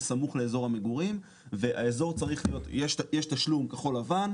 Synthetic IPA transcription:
samuχle̞ezo̞ʁhameɡuʁim | ve̞ʔaezo̞ʁt͡saʁiχlijo̞t̪jeʃjeʃtaʃlumkaχo̞lavan

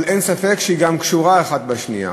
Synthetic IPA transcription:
lensafe̞kʃeiɡamkʃuʁaeχat̪̚baʃnija̰

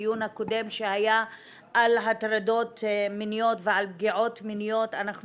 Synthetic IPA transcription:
junhako̞de̞mʃehajaː | lɦatɾado̞tminijo̞tvealb̚ɡiʕo̞tminijo̞tanaχn

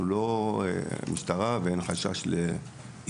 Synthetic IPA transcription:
ulo̞ḛmistaʁaveenχaʃa̰ʃle

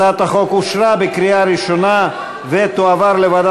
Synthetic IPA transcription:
at̪aχo̞kuʃɾabekɾiaɾiʃona | vet̪oavaɾlevad̪

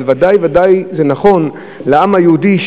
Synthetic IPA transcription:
vad̪ajvad̪ajzenaχo̞n | leamhajeud̪iʃ

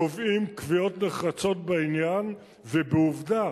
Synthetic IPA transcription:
ovimkvijo̞tneχat͡so̞t̪̚beinjan | vebeuvda

